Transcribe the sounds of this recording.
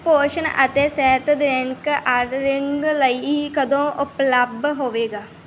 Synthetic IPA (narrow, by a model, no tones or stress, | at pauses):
poːɾʃənʔə̰t̪eːsɛːt̪d̪ɾeŋkʔaɖɾɪŋɡləiːkəd̪õːʔʊpləb̚dɦoːʋeːɡaː